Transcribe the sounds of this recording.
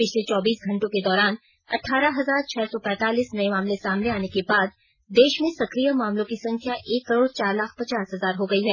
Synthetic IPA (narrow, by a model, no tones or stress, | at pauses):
pɪt͡ʃʰlet͡ʃɔːbiːsɡʱɐ̃ɳʈõked̪ɔːɾaːn | ɐ̰ʈʰːaːɾaɦɐzaːɾt͡ʃʰɛːsɔpɛ̃ːt̪aːliːsnɐemaːmlesaːmneaːnekebaːd̪̚ | d̪eːʃmẽsɐkɾijəmaːmlõkisɐ̃ŋkʰjaʔʔeːkːɐɾoːɽt͡ʃaːɾlaːk̚ʰpɐt͡ʃaːsɦɐzaːɾɦoɡɐiɦɛː